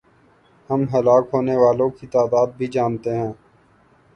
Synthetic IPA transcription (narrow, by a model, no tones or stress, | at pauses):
həmɦəlaːkɦoːneʋaːlõkit̪aːd̪aːd̪̚bʱid͡ʒaːnt̪eɦɛ̃ː